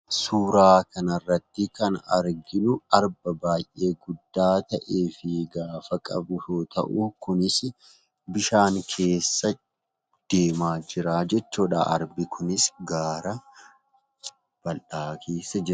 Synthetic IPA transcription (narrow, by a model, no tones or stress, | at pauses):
suːɾaːkɐnɐrːɐt̪ːɪkɐnɐ̰ɾɡɪnʊɐɾbɐbaːjʔe̞ːɡʊd̪ːaːt̪ɐʔe̞ːfɪɡaːfɐkʼɐ̰bʊsoːt̪ɐ̰ʔukʊnɪs | bɪʃaːŋkʰe̞ːsːɐ | d̪̥e̞ːmaːd͡ʒɪɾaːd͡ʒɛt͡ʃːoːᶑa̰ːɐ̰ɾbɪkʰʊnɪsɡaːɾɐ | b̥ɐlᶑaːkʰeːsːɐd͡ʒɪɾɐ